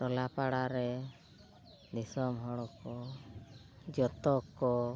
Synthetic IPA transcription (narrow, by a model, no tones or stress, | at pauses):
ɾɔlapaɽaɾɛ | d̪isɔmɦɔɽɔkɔ | d͡ʒɔt̪ɔkːɔ